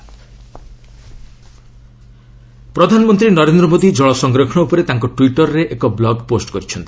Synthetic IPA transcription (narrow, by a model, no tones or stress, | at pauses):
pɾɔd̪ʱanɔmɔnt̪ɾinɔɾend̪ɾɔmod̪id͡ʒɔɭɔsɔŋɡɾɔkʰɔɽ̃ɔupɔɾet̪aŋkɔʈwiʈɔɾɾeʔekɔblɔɡposʈkɔɾit͡ʃʰɔnt̪i̥